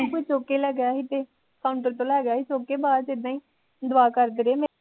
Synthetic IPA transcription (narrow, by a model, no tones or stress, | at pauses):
kʊit͡ʃoːkeːlɛɡjaːɦiːt̪eː | kʰaːʊɳʈəɾt̪õːlɛːɡjaːɦiːt͡ʃoːkeːbaːd̪ɪd̪ãːĩː | d̪ʊaːkəɾd̪ɾeːm